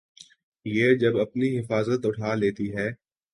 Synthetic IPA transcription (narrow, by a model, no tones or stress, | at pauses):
jeːd͡ʒɐbɐpniɦɪfaːzət̪ʊʈʰaːleːt̪iɦɛː